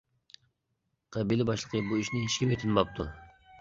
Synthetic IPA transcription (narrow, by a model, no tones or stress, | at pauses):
qʰɑbilɪbɑʃlˠəqʰəbuiʃnɪiʃkʲimet̪ʰɪnbɑp̚t̪ʰu